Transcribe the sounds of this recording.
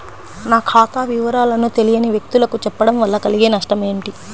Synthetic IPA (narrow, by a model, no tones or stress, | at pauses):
naːkʰaːt̪aːʋiʋɐɾaːlɐnut̪e̞lijɐniʋjek̚t̪ulɐkut͡ʃɛpːɐɽɐmʋɐlːɐkɐliɡeːnɐʂʈɐme̞ːɳʈi